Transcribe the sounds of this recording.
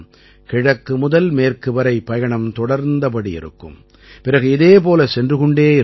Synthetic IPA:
kɪɻɐkːɯmʊðɐlmeːrkɯʋɐɾɐɪpːɐjɐɳɐmt̪ɔɽɐɾnd̪ɐpɐɽiɪ̰ɾɯ̰kːɯ̰m | pɪɾɐɣɯɪðeːp̬oːlɐsɛndrɯɣʊɳɖeːɪ

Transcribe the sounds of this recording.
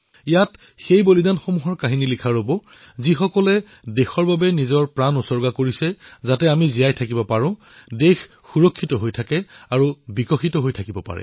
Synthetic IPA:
ijat | xejbolidanxomuɦɔɹkaɦinilikʰaɹobɔ | zixɔkɔlɛ | dexɔɹbabɛnizɔɹpɹanusɔɹɡakoɹisɛzatɛamizijajtʰakibɔpaɹʊ̃ | dex | xuɹɔkʰːitɔɦojtʰakɛaɹubikɔxitɔɦojtʰakibɔpa̰ɹɛ̰

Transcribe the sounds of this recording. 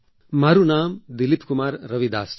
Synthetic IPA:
maːɾunaːmd̪ɪlipkʊmaːɾːɐʋid̪a̰ːs

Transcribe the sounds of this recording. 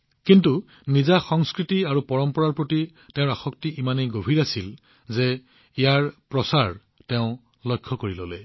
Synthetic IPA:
kintu | nizaxɔŋskɹitiaɹupɔɹɔmpɔɹaɹpɹoti | tɛ̃ʊ̃ɹaxɔk̚tiʔimanejɡobʱiɹasil | ze | ijaɹpɹɔsaɹ | tɛʊ̃ | lɔjkʰːɔkoɹilɔ̰lɛ

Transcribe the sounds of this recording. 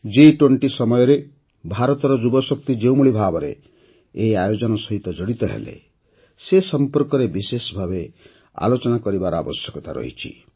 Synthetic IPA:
d͡ʒiʈweɳʈisɔmɔjɔɾe | bʱaɾɔt̪ɔɾɔd͡ʒubɔsɔk̚t̪id͡ʒewmuɭibʱabɔɾḛː | ajod͡ʒɔnɔsɔɦit̪ɔd͡ʒɔɽit̪ɔɦḛlḛ | sesɔmpɔɾkɔɾebisesɔbʱabe | a̰lot͡ʃɔnakɔɾibaɾɔa̰bɔsjɔkɔt̪a̰ɾɔ̰ɦḭt͡ʃʰḭ

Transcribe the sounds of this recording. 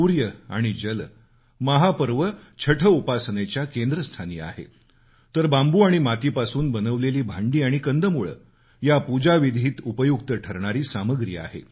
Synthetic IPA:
uɾjəaɽ̃id͡ʑəl | məɦapəɾʋət͡ɕʰəʈʰəupasənet͡ɕjakend̪ɾəst̪ʰanḭːa̰ɦḛ | t̪əɾbambuːaɽ̃imat̪iːpasuːnbənəʋleliːbʱaɳɖiːaɽ̃ikənd̪əmuɭə̰ | japud͡ʑaʋid̪ʱiːt̪upəjuk̚t̪əʈʰəɾɳaɾiːsaməɡɾḭa̰ɦḛ

